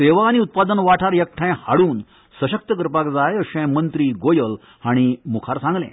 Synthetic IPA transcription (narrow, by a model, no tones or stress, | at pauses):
seʋaːñiut̪̚pad̪ənʋaʈʰaɾjək̚ʈʰãjhaɽuːn | səɕək̚t̪əkəɾpakd͡zajəɕɛ̃mənt̪ɾiːɡojəl | haɽ̃imukʰaɾsãŋɡlɛ̰̃